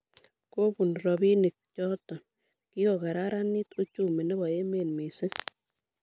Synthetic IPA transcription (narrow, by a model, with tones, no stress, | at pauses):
ko˦bu˨nɾɔ˨bi˦ni˨k̚t͡ʃɔ˦tɔ˨n | ki˦ɔ˨ka˨ɾa˦ɾa˦ni˦tu˦t͡ʃu˦˨mɛ˨nɛ˦bɔ˨e˦me˨nme˨sɪ˦ŋ